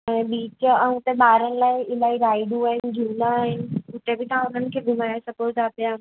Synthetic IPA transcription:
ɛ̃biːt͡ɕəũt̪ẽɓaːɾənɪ̆laːiɪlaːiɾaːiɖũaːɦɪnɪ̆d͡ʒʱiːnaːɦɪnɪ̆kʊt̪ebʱit̪ãʊnənɪ̆kʰeːbʱɪmaːɾjasɐpoːɾtaːpja

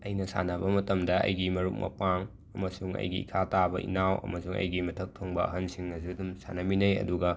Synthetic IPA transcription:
ɐjnɐsa̰nɐbɐmɐtɐmdɐɐ̰jɡimɐɾuk̚mɐ̰paŋ | ɐmɐsuŋɐ̰jɡiḭkʰatabɐʔḭnawɐ̰mɐsuŋɐ̰jɡimɐtʰɐk̚tʰoŋbɐɐ̰ɦɐnsiŋːɐsidumsa̰nɐminɐjɐ̰duɡɐ

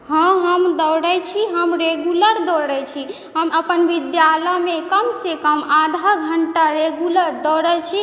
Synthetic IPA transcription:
ɦə̃ɦəmd̪əwɽɛt͡ʃʰiɦəmɾeɡuləɾd̪ɔɽɛt͡ʃʰi | ɦəməpənʋid̪jaləmẽkəmsekəmad̪ʱaɡʱəɳʈaɾeɡjuləɾd̪ɔɽət͡ʃʰi

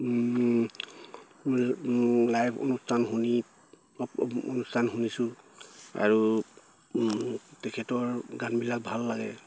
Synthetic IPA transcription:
lajpʰo̰nustʰanɦuni | o̰nustʰanxunisʊ̃ | a̰ɹu | tɛkʰɛtɔɹɡanbilak̚bʱalːaɡɛ̰

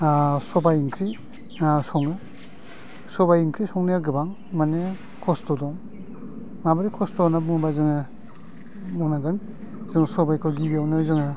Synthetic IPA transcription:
sɔbajiŋkʰɾi | sɔŋɯ | sɔbajiŋkʰɾisɔŋnijaɡɯbaŋ | mane | kʰɔstɔdɔŋ | mabaɾikʰɔstɔnabuŋbazɯŋa | mɔnaɡɯn | zɯŋsɔbajkʰɔɡibiawnazɯŋa

